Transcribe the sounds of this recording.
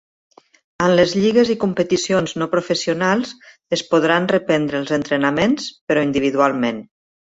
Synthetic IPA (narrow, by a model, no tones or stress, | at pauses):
ənləzʎiɣəzikumpət̪isionznopɾufəsiunalˠz | əspuð̞ɾanrəpɛnd̪ɾəːlˠzənt̪ɾənəmenspəɾɔind̪iβiðualˠmen